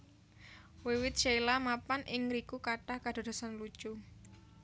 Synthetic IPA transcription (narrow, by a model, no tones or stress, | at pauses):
wewɪt̪̚t͡ʃelamapanʔɪŋɾikukaʈahkad̪̥o̤d̥̪o̤sanlu̥t͡ʃu